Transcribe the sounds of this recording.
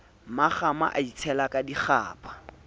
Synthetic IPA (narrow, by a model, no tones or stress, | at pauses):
maχama̰ʔait͡sʰɛlakʼadiχa̰ːpʼḁ